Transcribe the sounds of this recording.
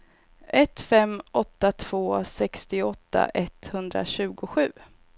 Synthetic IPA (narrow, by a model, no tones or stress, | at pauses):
ʔɛt̪fɛmːʔɔt̪ːat̪ʰv̥oːsɛkst̪ɪɔt̪ʰːa̰ʔɛt̪hɵnd̪ɾa̰ɕʉ̟ːɡʊɧʉ̟ː